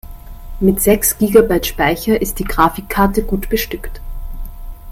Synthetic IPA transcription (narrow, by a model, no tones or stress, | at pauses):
mɪtz̥ɛksɡ̥iːɡabaɪtʃpaɪçɐʔɪst̚d̥iːɡ̥ʁaːfɪkʰːaɐtəɡuːtb̥əʃtʏkt